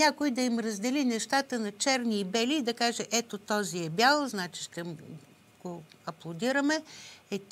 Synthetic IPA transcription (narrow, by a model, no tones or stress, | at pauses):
nʲakʊid̪ɐimɾɐzd̪ɛlinɛʃt̪at̪ənɐt͡ʃɛɾniːbɛliːd̪ɐkaʒɛʔɛt̪ot̪ɔziɛbʲalˠznat͡ʃi̥ʃt̪ɛ | ɡ̥oɐplˠod̪iɾəmɛɛt̪